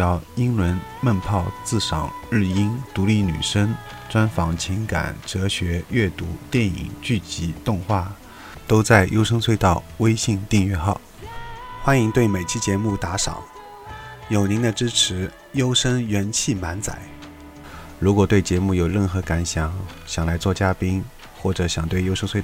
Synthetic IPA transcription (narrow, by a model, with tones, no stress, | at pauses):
ɑ˧˥˩ʊi˥ŋɻə˧˥nmə˥˧npʰɑ˥˧ʊt͡sɹ̩˥˩ʂɑ̰˨˩˦ŋɻɻ̩˥˩i˥nt̪u˧˥li˥˧˩ny̰˨˩ʂə˥ŋ | ʈ͡ʂwa˥nfɑ˧˥ŋt͡ɕʰi˧˥ŋka̰˨˩˦nʈ͡ʂɤ˧˥ɕɥɛ˧˥ɥɛ˥˩t̪u˧˥t̪jɛ˥˩nḭ˨˩ŋt͡ɕy˥˩t͡ɕi˧˥t̪ʊ˥˧ŋxwa˥˩ | t̪o˥ʊt͡sa˥˩ɪjʔo˥ʊʂɤ˥ŋt͡sʰwɪt̪ɑ˥˩ʊwe˥ɪɕi˥˧ŋt̪i˥˧ŋɥɛ˥˧xɑ˥˩ʊ | xwa˥ni˧˥ŋt̪we˥˩ɪme˨˩ɪt͡ɕʰi˥t͡ɕjɛ˧˥mu˥˩t̪a˧˥ʂɑ̰˨˩˦ʊ | jo˨˩ʊni˧˥ŋd̪ə˧ʈ͡ʂɻ̩˥ʈ͡ʂʰɻ̩˧˥ | jo˥ʊʂə˥ŋɥɛ˧˥nt͡ɕʰi˥˩ma˧˥nt͡sa̰˨˩˦ɪ | ɻu˧˥kwɔ˨˩t̪we˥˩ɪt͡ɕjɛ˧˥mu˥˩jo˨˩ʊɻə˥˩nxɤ˧˥ka˧˥nɕjɑ˨˧˥ŋɕjɑ˨˩ŋla˧˥ɪt͡swɔ˥˩t͡ɕja˥pi˥ŋ | xwɔ˥˩ʈ͡ʂɤ˧˩ɕjɑ˨˩ŋt̪we˥˩ɪjo˥ʊʂə˥ŋswe˥˧